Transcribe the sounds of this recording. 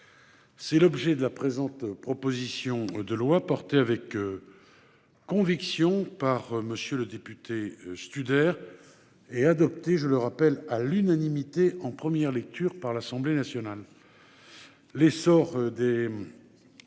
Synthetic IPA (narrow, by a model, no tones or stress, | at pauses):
sɛlɔbʒɛd̪əlapχezɑ̃t̪pχɔpozisjɔ̃d̪əlwapɔʁt̪eavɛk | kːɔ̃viksjɔ̃paʁməsjøləd̪epyt̪ʰest̪yd̪ɛʁ | ɛad̪ɔp̚t̪eʒələʁapɛlalynanimit̪eɑ̃pχəmjɛʁlɛk̚t̪ʰyːʁpaʁlasɑ̃blenasjɔnal | esɔʁd̪e